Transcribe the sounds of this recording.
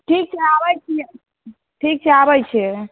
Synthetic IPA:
ʈʰiːk̚t͡ʃʰeaʋəjt͡ʃʰie | ʈʰik̚t͡ʃʰeaʋəjt͡ʃʰe

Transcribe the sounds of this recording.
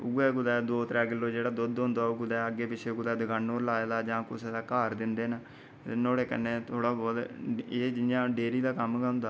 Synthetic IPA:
ʊɡɛːɡʊd̪ɛːd̪oːt̪ɾɛːɡɪlːoːd͡ʒeːɽaːd̪ʊd̪ɦʊ̃nd̪aːʊɡʊd̪ɛːəɡːeːpɪt͡ʃʰeːkʊd̪ɛːd̪əɡãːnːoːlaːeːd̪aːd͡ʒãːkʊseːd̪aːkaːɾd̪ɪnd̪eːnə | ɪnoːɽeːkə̰nːeːt̪ʰoːɽaːbɔːt̪eːd͡ʒɪjãːɖeːɾiːd̪aːkəmkəɦnd̪aː

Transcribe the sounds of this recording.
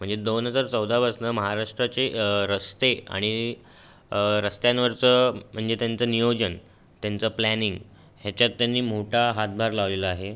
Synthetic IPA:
m̤əɳd͡zed̪onɦəd͡zəɾt͡səwd̪abʱəsnəməɦaɾaʂʈɾat͡seɾəst̪ea̰ɽ̃i | ɾəst̪jãnʋəɾt͡səm̤əɳd͡zet̪jant͡sənijod͡ʑən | t̪jant͡səplæniŋɡ | ɦjat͡ɕjat̪ːjanːiːm̤oʈʰaɦat̪̚bʱaɾlaʋleləaɦe

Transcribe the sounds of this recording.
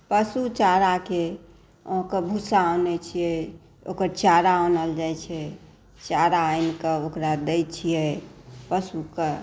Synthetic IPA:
pəsut͡ʃaɾake | õkəbʱusaɔnɛt͡ʃʰijɛ | o̰kəɾt͡ʃaɾaonəld͡ʒajt͡ʃʰɛ | t͡ʃaɾaajnkeokɾad̪ejt͡ʃʰijɛpəsuke

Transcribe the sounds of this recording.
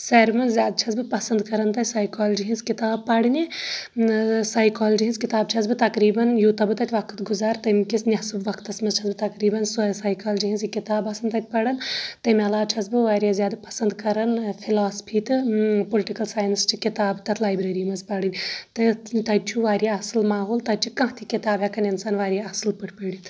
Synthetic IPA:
sɐɾmɐnzzʲjaːd̪̚t͡ʃʰɐsbɨpɐsɐnd̪kɐɾɐnt̪ɐt̪ʲsajkaːlɐd͡ʒiɦinzkit̪aːb̚pɐɽɨnʲi | saːjkaːld͡ʒiɦĩnzkit̪aːb̚t͡ʃʰɐsbɨt̪ɐkɾiːbɐnjut̪ɐbɨt̪ɐt̪ʲʰʋɐkʰɨt̪ɡuzaːɾt̪ɐmkisnʲjɐsubʋɐkt̪ɐsmɐzt͡ʃʰɐsbɨt̪ɐkɾiːbɐnsojsaːjkaːld͡ʒiɦĩnzikit̪aːbɐsɐnd̪t̪ɐt̪̚ʰʲpɐɽɐnt̪ɐmʲɐlaːt͡ʃʰɐsbɨʋaːɾjaːzjaːd̪ɨpɐ̥sɐnd̪kɐɾɐnpʰilaːspʰiːt̪ɨpolʲʈikɐlsaːjnst͡ʃʰikit̪aːbt̪ɐt̪ʰlaːjbɾɐːɾimɐzpɐɽɨnʲt̪ɨt̪ɐt͡ʃʰuʋaːɾʲjaɐsɨlmaːɦoːlt̪ɐt͡ʃʰikɐ̃ɦt̪ʰikʲit̪aːbɦjakʰɐnʲinsaːnʋaːɾʲjaɐsɨlpɨʈʰʲpəɽit̪ʰ

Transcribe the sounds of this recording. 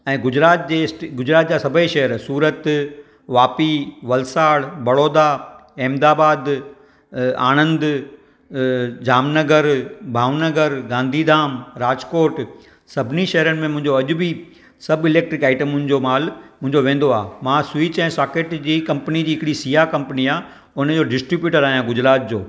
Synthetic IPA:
ɛ̃ːɡʊd͡ʑɾaːt̪d͡ʑeːsʈɡʊd͡ʑɾaːt̪̚d͡ʑaːsɐbʱəiʃɐɦəɾsuːɾət̪ | ʋaːpiʋɐlsaːɽbɐɽoːd̪aeːmd̪aːbaːd̪ | a̰ːñə̃nd̪ | d͡ʑaːmnɐɡəɾbʱaːʋnəɡəɾɡãːnd̪ʱid̪aːmɾaːd͡ʑkoːɾʈ | sɐbʱɪniʃɐɦɾənɪ̆mẽmʊ̃ɦɪ̃ɲd͡ʑoɐʄʊbʱi | sɐbɪleːk̚ʈɾɪkaːɪʈəmʊ̃nɪ̆d͡ʑomaːlmʊ̃ɦɪ̃ɲd͡ʑoʋẽːnd̪oaːmãsʋit͡ɕɛ̃ːsaːkeːʈd͡ʑiːkɐ̃mpənid͡ʑiːɦɪkɪɽisiːɦakɐ̃mpniaː | ʊnəd͡ʑoːɖɪsʈɾɪbjuːʈəɾaːɦijãɡʊd͡ʑɾaːt̪̚d͡ʑoː

